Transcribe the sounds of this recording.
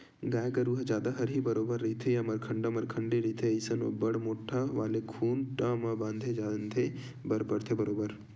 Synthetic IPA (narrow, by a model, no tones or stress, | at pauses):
ɡaːjkɐɾuɦd͡ʒaːd̪aɦɐɾɦibɐɾoːbəɾːit̪ʰejɐmɐɾkʰɐɳɖɐmɐɾkʰɐɳɖeɾit̪ʰeɐjsɐno̰ːbɐɽmoːʈʰaʋaːlekʰuːnʈãːmɐbãːnd̪ʱed͡ʒaːd̪nt̪ʰe | bɐɾpəɽt̪ʰebɐɾoːbəɾ